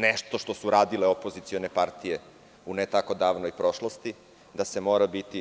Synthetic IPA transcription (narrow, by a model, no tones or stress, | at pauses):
nɛʃt̪o̞ʃt̪o̞suɾaːd̪ileopozit̪sio̞nepaɾt̪ije | unet̪ako̞d̪aːʋnojpɾo̞ʃlˠost̪i | d̪ase̞moːɾabit̪i